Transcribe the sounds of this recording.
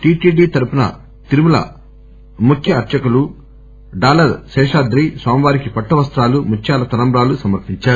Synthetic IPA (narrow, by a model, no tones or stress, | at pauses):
ʈiːʈiːɖiːt̪ɐɾupunɐ̰ | t̪iɾumulɐ̰ | mukʰjɐːɾt͡ʃɐkulu | ɖaːlɐɾʃɛːʂaːd̪ɾiːswaːmʋaːɾikipɐʈːɐʋɐst̪ɾaːlumut͡ʃʰːjaːlɐt̪ɐnɐmbɾaːlusɐmɐɾpiɲt͡ʃaːɾu